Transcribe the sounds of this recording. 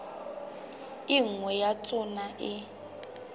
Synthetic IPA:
iŋ̩wɛjat͡sʼʊnaʔɪ

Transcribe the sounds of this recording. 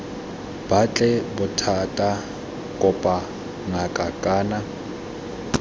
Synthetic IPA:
b̥at͡ɬʼɛbʊtʰatʼa | kʼʊpʼa | ŋakʼakʼaːna

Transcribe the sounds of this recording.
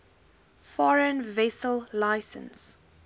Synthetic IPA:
fɔɹə̃nvɛsəllaɪsə̰̃ns

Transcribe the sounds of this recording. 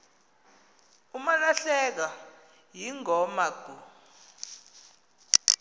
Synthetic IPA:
umalaɬɛk̬a | jiŋɔmaɡ̥ʱu

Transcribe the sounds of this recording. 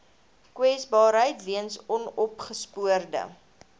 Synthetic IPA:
kwɛsbɑːɾɦəjtviənsɔnɔpχəspuərdə̰

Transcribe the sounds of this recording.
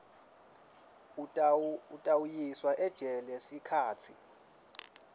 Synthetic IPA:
utʼawujiswaʔɛd̥ʒ̥ʱɛlɛsikʰaːtʰi

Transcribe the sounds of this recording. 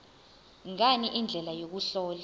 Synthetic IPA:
ŋaniʔind͡ɮʱɛlajok̬uɬɔːla

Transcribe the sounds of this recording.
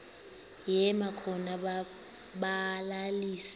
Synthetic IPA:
jɛmakʰɔna | ɓalaliːsɛ

